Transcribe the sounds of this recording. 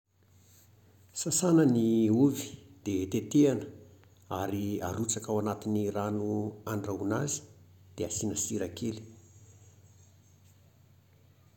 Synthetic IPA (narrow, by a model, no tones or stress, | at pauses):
sasanəniuvi̥d̪̥et̪et̪eanə | aɾia̰ɾut͡sakawanat̪iniranuaɳɖ͡ʐaunazi̥ | d̪̥easinəsiɾakʰeli̥